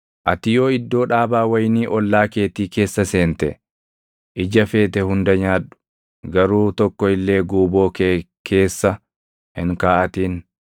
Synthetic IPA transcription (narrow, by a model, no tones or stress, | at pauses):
ʔɐt̪ɪjo̞ːɪd̪ːo̞ːᶑaːbaːwɐjniːʔɔlːaːke̞ːt̪iːke̞ːsːɐse̞ːnt̪ɛ̰ | ʔɪd͡ʒɐfe̞ːt̪ɛhʊnd̪ɐɲaːᶑʊ̥ | ɡɐɾuːt̪ɔkːɔɪlːe̞ːɡuːbo̞ːke | kʰe̞ːsːɐ | hɪ̰ŋkaːʔɐt̪iːn